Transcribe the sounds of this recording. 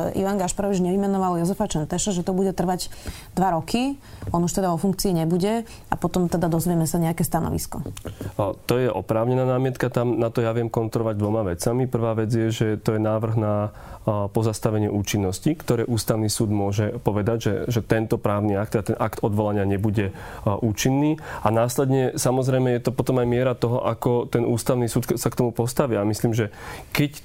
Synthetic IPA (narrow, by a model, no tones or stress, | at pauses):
ʔḭʋaŋɡaʃpaɾɔʋid͡ʒɲɛʋimɛnɔʋaljɔzɛfat͡ʃɛnt̪ɛʃɔʒɛt̪ɔbuɟɛt̪r̩ʋaɟ | d̪ʋaɾɔkʰiɔnuʃt̪ɛd̪aɔfuŋkt͡siːɲɛbuɟɛ | apɔt̪ɔmt̪ɛd̪ad̪ɔzʋɛmɛsaɲɛakɛːst̪anɔ̰ʋḭskɔ̰ | t̪ɔjɛʔɔpɾaːʊɲɛnaːnaːmɪɛt̪kat̪amnat̪ɔjaʋɪɛmkɔnt̪ɾɔlɔʋaɟ̚d̪ʋɔmaʋɛt͡samipr̩ʋaːʋɛd͡zjɛʒɛt̪ɔjɛnaːʋr̩ɣna | pɔzast̪aʋɛɲɪɛ̰ʔuːt͡ʃinːɔscikt̪ɔɾɛːʔuːst̪aʊnisuːd̪mʊɔʒɛpɔʋɛd̪aɟʒɛ̰ʒɛt̪ɛnt̪ɔpɾaːʊniakt̪at̪ɛnʔakt̪ɔd̪ʋɔlaɲɪaɲɛbuɟɛ | ʔuːt͡ʃinːiːanaːslɛd̪ɲɛsamɔzɾɛjmɛjɛt̪ɔpɔt̪ɔmajmɪɛɾat̪ɔɦɔ̰ʔakɔt̪ɛnʔuːst̪aʊnisuːt̪sakt̪ɔmupɔst̪aʋiamisliːmʒɛkɛc